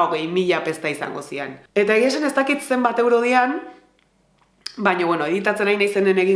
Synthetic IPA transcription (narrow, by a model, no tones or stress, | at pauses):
o̞ɣe̞jmiʎape̞st̪aisa̰ŋɡo̞siḛne̞t̪ae̞ɣiasane̞st̪akit̪se̞mbat̪e̞wɾo̞ðian | baɲo̞βwenoe̞ðit̪at͡se̞najnajse̞nene̞ɣi